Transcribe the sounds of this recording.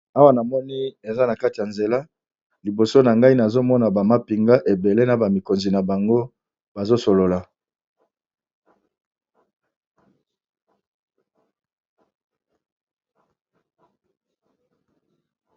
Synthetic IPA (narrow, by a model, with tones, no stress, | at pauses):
a˦wa˦na˨mɔ˦ni˦e˨za˦na˨ka˦ti˨a˨nze˨la˦ | li˨bo˨so˦na˨ŋɡa˦i˦na˨zo˦mɔ˦na˨ba˨ma˦pi˨ŋɡa˦ʔe˨be˨le˦na˨ba˨mi˨ko˨nzi˨na˨ba˨ŋɡo˦ | ba˨zo˦so˨lo˨la˨